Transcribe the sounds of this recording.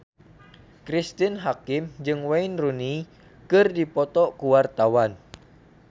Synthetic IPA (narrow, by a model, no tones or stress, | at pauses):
kɾist̪inɦakɪmd͡ʒɨŋwainruni | kɨrdipɔt̪ɔkuwart̪awan